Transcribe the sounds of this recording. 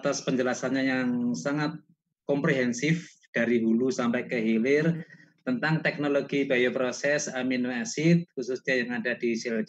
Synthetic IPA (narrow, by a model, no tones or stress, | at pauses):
t̪aspəɲd͡ʒəlasanɲajaŋsaŋat̪̚ | kɔmpɾeɦɛnsɪf | d̥aɾiɦulusampɛkəɦilɪrt̪ənt̪aŋt̪ɛk̚noloɡib̥ajopɾosɛsaminwasɪt̪̚kususddajaŋadadisɛl